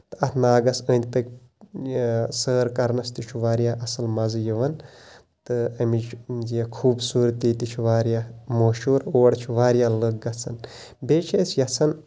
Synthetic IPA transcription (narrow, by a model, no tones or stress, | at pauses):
t̪ɨɐt̪ʰnaːɡɐsəːnd̪̚ʲpɐk̚ʲ | səːɾkɐɾnɐst̪it͡ʃʰuʋaːɾjaːʔɐsɐlmɐzɨjɐʋɐn | t̪ɨɐmit͡ʃʰd͡ʒjekʰuːbsuːɾt̪ːiːt̪it͡ʃʰuʋaːɾjaːmoʃuːɾoːɽt͡ʃʰuʋaːɾijaːlək̚ɡɐt͡sʰɐn | beːt͡ʃʰesʰjɐt͡sʰɐn